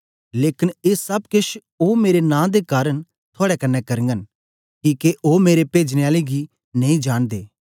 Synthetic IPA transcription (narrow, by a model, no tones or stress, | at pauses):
leːkɪneːsɐbkɪʃ | oːmeːɾenãːd̪ekaːɾəñ | t̪ʰoːɽɛkɐnːɛkɐɾŋɡən | kiːkeʔoːmeːɾepeːd͡ʒneaːleɡi | nɐĩd͡ʒaːñd̪eː